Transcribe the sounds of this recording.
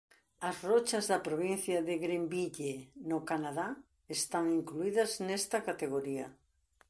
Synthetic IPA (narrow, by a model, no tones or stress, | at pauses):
ɐzrot͡ʃazðɐpɾoβ̞in̟θjaðeɣɾembiʎenokanaða | est̪aŋiŋkluiðɐznɛst̪ɐkat̪eɣ̞oɾiɐ